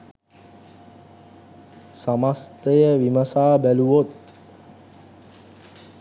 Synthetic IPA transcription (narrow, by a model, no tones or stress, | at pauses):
samast̪əjəʋiməsaːbæluʋot̪